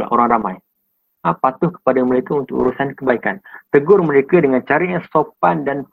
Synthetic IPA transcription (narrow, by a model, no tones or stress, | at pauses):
la̰ʔoɾaŋramaj | apat̪ʊhkə̥padaməɾekaunt̪ʊkṵɾusankəbaikant̪əɡʊrməɾekadəŋant͡ʃaɾiɲasop̚andan